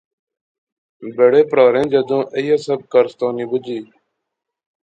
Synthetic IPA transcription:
beɽeːpɾaːɾẽːd͡ʒəd̪õːʔəjaːsəb̚kəɾst̪ãːnĩːbʊd͡ʒiː

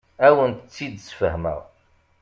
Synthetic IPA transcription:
æwənt̪ət͡sːid̪sfəɦmə̰ʁ

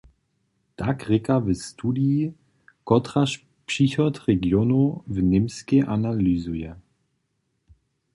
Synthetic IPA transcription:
takʁɪkavɛstʰudii | kɔtʁaʃ | pʃiçɔtʁɛɡjɔnuvnɪmskeʔanalyzujɛ

